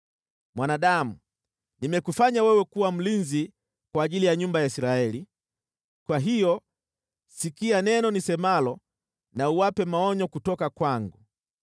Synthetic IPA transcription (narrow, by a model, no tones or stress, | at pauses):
mwanaɗamu | nimɛkufaɲawɛwɛkuwam̩linzi | kwaːʄilijaɲumbajaisɾaɛli | kwaɦijɔ | sikianɛnɔnisɛmalɔ | nauwapɛmaɔɲɔkutɔkakwaŋɡu